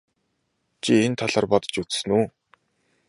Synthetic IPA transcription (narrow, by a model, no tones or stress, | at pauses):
t͡ɕʰient̪ʰaɮaːrpɔt̪̆t͡ɕut͡ssɘ̆nuː